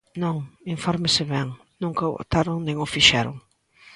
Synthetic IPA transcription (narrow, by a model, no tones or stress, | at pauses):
nõŋĩɱfɔɾmɪsɪβɛŋ | nũŋkɐ̰t̪aɾʊŋnẽŋʊfiʃɛɾʊ̰ŋ